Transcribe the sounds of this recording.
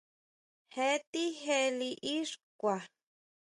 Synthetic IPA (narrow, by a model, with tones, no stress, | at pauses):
he˧t̪i˦ɦe˧li˧ʔi˦ʂkʷa˨